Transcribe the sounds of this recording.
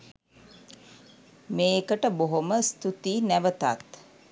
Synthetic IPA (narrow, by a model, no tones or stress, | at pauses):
meːkəʈəboɦoməst̪ut̪iːnæʋət̪a̰t̪